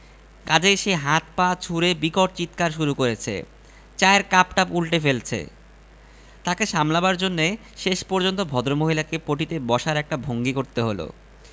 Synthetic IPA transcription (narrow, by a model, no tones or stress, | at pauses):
kad͡ʑeʃeɦat̪pat͡ɕʰuɾebikɔʈ̚t͡ɕit̪kaɾʃuɾukoɾet͡ɕʰḛ | t͡ɕaeɾkapʈapulʈefelt͡ɕʰḛ | t̪akeʃamlabaɾd͡ʑonːe | ʃeʃpɔɾd͡ʑont̪obʱɔd̪ɾomoɦilakepɾoʈit̪ebɔʃaɾɛk̚ʈabʱoŋɡikoɾt̪eɦolo̰